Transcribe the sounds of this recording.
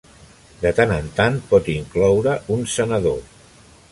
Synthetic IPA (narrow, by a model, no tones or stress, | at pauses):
d̪ət̪anənt̪anpɔt̪iŋklɔwɾəunsənəðo